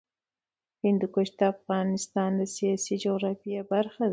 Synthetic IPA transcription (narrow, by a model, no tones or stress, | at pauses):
hɪnd̪ukʊʃd̪əafɣɑnɪst̪ɑnd̪əsijɑsid͡ʒoɣɾɑfijabaɾxa